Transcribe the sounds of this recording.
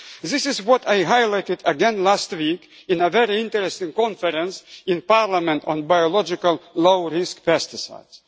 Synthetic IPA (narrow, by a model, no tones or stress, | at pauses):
ðɪsɪzwɔtajɦajlaɪtɪdəɡɛ̃nlæstwikɨ̃nəvɛɹiɪ̃ntəɾɛstɪ̃ŋkɔ̃nfəɾə̃nsɪ̃npaɹlamɛ̃ntɔ̃nbajɔlɔd͡ʒɪkəlloʊɹɪskpɛstɪsa̰ɪdz̥